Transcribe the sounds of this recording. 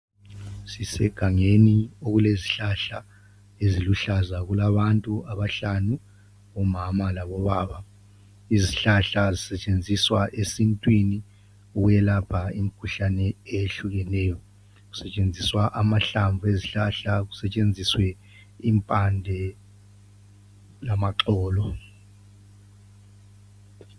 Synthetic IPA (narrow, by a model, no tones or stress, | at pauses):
sisɛ̰ɡ̥ʱaŋenioɣuleziɬaɬa | eziluɬazaɣulaβantʼuaβaɬanu | ɔmamalaβɔβaːβa | iziɬaɬazisɛt͡ʃʼend͡zʱiswaʔesintʼwini | uwɛlapʰaim̩kʰuɬanɛeɬuɣɛnɛːjɔ | ɣu̥sɛt͡ʃʼend͡zʱiswaʔamaɬaɱvʱueziɬaɬaɣusɛt͡ʃʼend͡zʱiswɛ | impʼandʱɛ | lamaǁɔːlɔ